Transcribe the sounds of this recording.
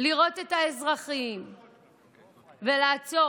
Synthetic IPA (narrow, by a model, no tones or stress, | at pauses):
liʁo̞t̪e̞t̪haezʁaχim | velaːt͡so̞